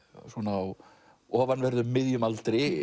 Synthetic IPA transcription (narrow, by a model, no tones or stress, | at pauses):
sɔnaaw | ɔːvanvɛɾðʏmmːɪðjʏmalt̪ɾɪ